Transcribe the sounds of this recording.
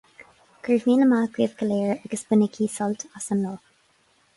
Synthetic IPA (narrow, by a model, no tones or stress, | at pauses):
kʰəɹvmiːnəmaːɡɹiːvɡəleːɹaɡ̥əsb̥ənəkʰiːsɔltʰasənloː